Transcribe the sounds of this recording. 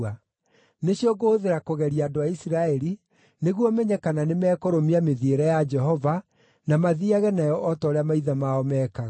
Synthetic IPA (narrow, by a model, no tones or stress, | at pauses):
a | neɕiɔɡoːðeɾakoɣɛɾiaːdoaisiɾaɛɾi | neɣwɔmɛɲɛkananemɛːkoɾomiameðieɾɛjad͡ʒɛɦɔva | namaðiaɣɛnajɔʔɔtɔːɾeamaiðamaɔmɛːkaɣa